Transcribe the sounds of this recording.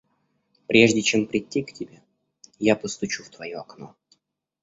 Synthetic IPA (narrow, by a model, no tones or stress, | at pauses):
pɾʲe̞ʐdʲɪt͡ɕempɾʲɪtʲːiktʲɪbʲe̞ | japəst̪ʊt͡ɕuft̪vɐjoɐkno̰